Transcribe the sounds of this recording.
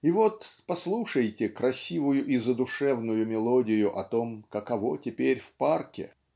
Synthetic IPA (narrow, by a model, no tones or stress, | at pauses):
ɪvo̞t̪pɐslˠuʂəjtʲɪkɾɐsʲivʊjʊʔɪzəd̪ʊʂɛvnʊjʊmʲɪlˠodʲɪjʊʔɐt̪o̞mkɐkɐvotʲɪpʲeɾʲfparkʲɪ̰